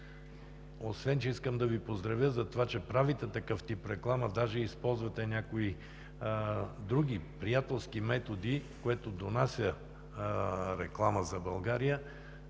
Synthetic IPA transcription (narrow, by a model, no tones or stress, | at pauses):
osvɛnt͡ʃɛiskəmd̪ɐvipozd̪ɾɐvjəzɐt̪ovat͡ʃɛpɾavit̪ɛt̪ɐkɤft̪ipɾɛklˠaməd̪aʒɛispɔlˠzvɐt̪ɛnʲakoi | d̪ɾuɡ̟ipɾijat̪ɛlˠskimɛt̪od̪ikoɛt̪od̪onasʲjə | ɾɛklˠaməzɐbɐlˠɡaɾijə